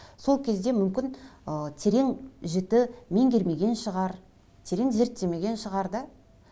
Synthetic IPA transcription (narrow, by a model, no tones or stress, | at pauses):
so̞lˠkʲʰe̞zd̪emʏmkʲɪnət̪ʰe̞ɾe̞ŋʒɪt̪ɪme̞ŋɡʲe̞ɾme̞ɡʲe̞nʃəʁɑɾ | t̪ʰe̞ɾe̞ŋze̞ɾt̪ːe̞me̞ɡʲe̞nʃəʁɑɾd̪ə